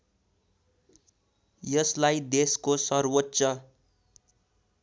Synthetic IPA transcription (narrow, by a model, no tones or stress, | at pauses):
jʌslajd̪eskosʌrwotːsʌ